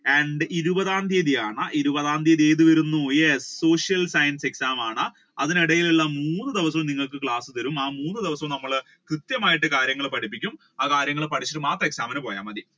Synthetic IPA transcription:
eɳɖɨiɾubɐðaːnd̪ʱijɐðijaːɳɐʔiɾubɐðaːnd̪ijɐðieːðuʋɐɾunːujesːo̞ːʂjɐlsɐjɐnse̞ksaːmaːɳɨ | ɐðiniɽɐjiluɭːɐmuːnːɨd̪iʋɐsɐmniŋːɐɭkɨkɭaːsɨt̪ɐɾumaːmuːnːɨd̪iʋɐsɐmnɐmːɐɭ | krɨt̪jɐmaːjiʈːɨkaːɾjɐŋːɐɭpɐʈʰipːikʲːum | aːkaːɾjɐŋːɐɭepɐʈʰit͡ɕːɐʈːɨmaːt̪rɐeksaːmɐnpo̞ːja̰ːmɐði

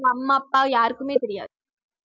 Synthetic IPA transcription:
ɐmːaːɐpːaːjaːɾkɯmeːt̪ɛɾɪja̰ːðɯ

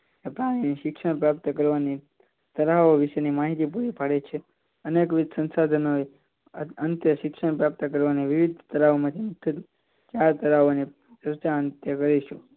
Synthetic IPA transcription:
epɾaɽ̃iniʃɪkʃəɳpɾapt̪əkəɾʋani | t̪əɾaoʋiʃenimaɦit̪ipuɾipaɽet͡ʃʰe | ənekʋɪd̪ʱsənsad̪ʱənoe | ənt̪jəʃɪkʃəɳ̃pɾap̚t̪əkəɾʋaneʋiʋid̪ʱt̪əɾaʋomãt̪ʰimʊt̪ʰːəd̪ | t͡ʃjaɾt̪əɾaʋone | t͡ʃəɾt͡ʃaənt̪jəkəɾiʃu

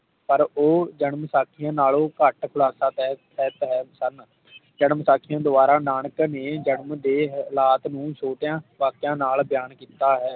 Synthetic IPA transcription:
pəɾoːd͡ʒəɳəmsaːkʰɪjãːnaːloːkəʈkʰʊlaːsaːt̪ɛ | ɛːt̪ɦɛːsən | d͡ʒəɳəmsaːkʰijãːd̪ʊbaːɾaːnaːɳəkneːd͡ʒənəmd̪eːlaːt̪nũːsʰoːʈjãːʋaːkjãːnaːlbjaːnkiːt̪aːɦɛː

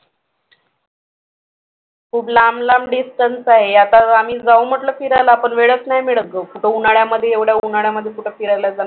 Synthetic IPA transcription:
kʰuːblamlamɖisʈənsaɦejat̪aamiːd͡zaum̤əʈləːfiɾajlaːpəɳʋeɭət͡snajmiɭət̪̚ːəkuʈəunaɭjaməd̪ʱːjeːʋɽjaunaɭjaməd̪ʱːjekuʈʰəfiɾajlad͡zana

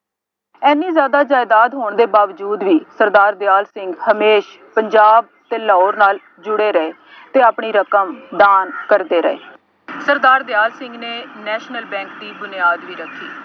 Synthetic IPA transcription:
ɛːniːzjaːd̪aːd͡ʒaːɪd̪aːd̪ɦoːɳd̪eːbaːʋd͡ʒuːd̪ʋiːsəɾd̪aːɾd̪ɪjaːlsɪŋɡhəmeːʃ | pəɲd͡ʒaːb̚t̪eːlaoːɾnaːl | d͡ʒʊɽeːɾəeː | t̪eːaːpɳiːɾəkəmd̪aːnkəɾd̪eːɾə̰ḛː | səɾd̪aːɾd̪ɪjaːlsɪ̃ŋɡneːnɛːʃnəlbɛ̃ːŋkd̪iːbʊnɪjaːd̪ʋiːɾəkʰːiː

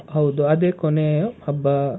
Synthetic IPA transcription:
ɦɐwd̪uɐd̪eːkoneohɐbːɐ

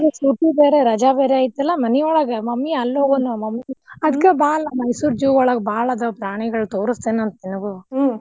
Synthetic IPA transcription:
d̪usuːʈibeːɾeɾɐd͡ʒabeːɾeaːjit̪ːɐlːɐmɐniɔɭɐɡɐmɐmːiɐlːoːɡonumɐmːiɐd̪ɐkːebaːlɐmɐjsuːɾd͡ʒuːɔɭɐɡbaːɭɐd̪ɐpɾaːɳiɡɐɭut̪oːɾust̪eːnɐnt̪ɐninɐɡu

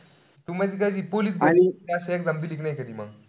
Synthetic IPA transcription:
t̪umad͡ʑiːkad͡ʑiːpoliːs̬bañit̪jaɕekd͡zamd̪iliːknajkəd̪iːma̰ɡ

